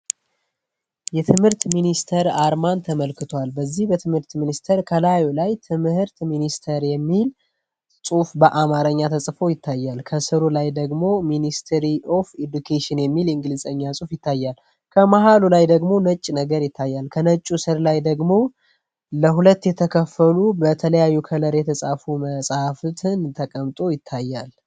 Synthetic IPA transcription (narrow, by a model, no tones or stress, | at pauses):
jɛt̪ʰɨmhɨɾt̪minist̪ʰəɾaɾmant̪ʰəməlkɨt̪ʰoalbəzːihbət̪ʰɨmhɨɾt̪minist̪ʰəɾkʰəlajolajt̪ʰɨmɨhɨɾt̪minist̪ʰəɾjɛmːil | sʼufbəʔamaɾəɲːat̪ʰəsʼfo̞jɪt̪ʰːajːalkʰəsɨɾulajd̪əɡmo̞minist̪ʰɾiʔo̞fed̪ukʰeʃɪnjɛmːilɨŋɡɨlɨzʼəɲːasʼufjɪt̪ʰːajːal | kʰəmaɦalulajd̪əɡmo̞nət͡ʃʼːnəɡəɾjɪt̪ʰːajːalkʰənət͡ʃʼːusɨɾlajd̪əɡmo̞ | ləɦulət̪ːjɛt̪ʰəkʰəfːəlubət̪ʰələjajːukʰələɾeɛt̪ʰəsʼafuməsʼhaft̪ʰɨnt̪ʰəkʼəmt̪ʼo̞jɪt̪ʰːajːal